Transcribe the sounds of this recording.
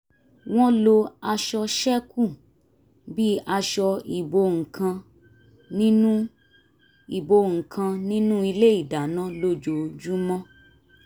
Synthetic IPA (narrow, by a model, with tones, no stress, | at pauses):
w̃ɔ̃˦lo˧a˧ʃɔ˧ʃɛ˦kũ˦˨ | bi˦a˧ʃɔ˧i˨bo˧ŋ̩˨kʰã˧ | nĩ˦nũ˦ | i˨bo˧ŋ̩˨kʰã˧nĩ˦nũ˦i˧le˦i˦˨da˨nã˦lo˦d͡ʒo˨d͡ʒu˦mɔ̃˦